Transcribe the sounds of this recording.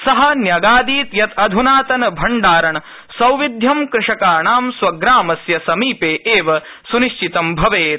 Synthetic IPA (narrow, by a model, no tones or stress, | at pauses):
sɐɦɐ̆njɐɡaːd̪iːt̪jɐt̪ɐd̪ʱunaːt̪ɐnɐbʱɐɳɖaːɾɐɳɐ | sɐwʋid̪ʱjɐmkɾɪʂɐkaːɳaːmswɐɡɾaːmɐsjɐsɐmiːpeːʔeːʋɐ | suniʃt͡ʃit̪ɐmbʱɐʋeːt̪̚